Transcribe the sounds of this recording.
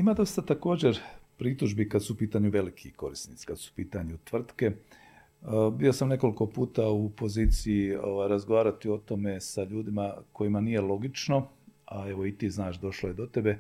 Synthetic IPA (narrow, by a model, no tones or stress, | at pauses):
imad̪o̞st̪at̪ako̞ːd͡ʑe̞ɾpɾit̪uʒbikad̪supiːt̪aɲuʋe̞likʰiko̞ɾisnit̪si̥kad̪su̥piːt̪aɲut̪ʋr̩t̪ke̞ | bio̞samne̞ko̞liko̞puːt̪aupo̞ziːt̪siio̞ʋajɾazɡo̞ʋaːɾat̪io̞t̪o̞me̞saʎuːd̪imako̞jimanije̞lo̞ɡit͡ʃno̞ | ae̞ʋo̞it̪iːznaːʃd̪o̞ʃloje̞d̪o̞t̪e̞be̞